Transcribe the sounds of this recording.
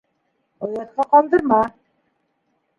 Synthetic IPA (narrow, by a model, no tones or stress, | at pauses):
ŏjɑt̪̚qɑqɑlˠd̪ɤ̆ɾmɑ